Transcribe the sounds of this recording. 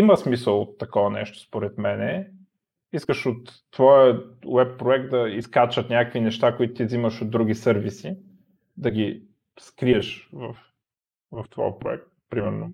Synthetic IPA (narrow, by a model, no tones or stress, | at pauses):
iməsmisəlˠot̪ːɐkɔvɐnɛ̰ʃt̪o̥spoɾɛt̪mɛnɛ | iskəʃot̪ːvɔjəwɛpːɾoɛk̚t̪̚d̪ɐiskat͡ʃət̪nʲakəkvinɛʃt̪akoit̪ʊ̥t̪iziməʃod̪ɾuɡ̟isɤɾvisi | d̪ɐɡi | skɾiɛʃvəf | vɐft̪vɔ̰jəpɾo̰ɛ̰k̚t̪̚pɾimɛɾno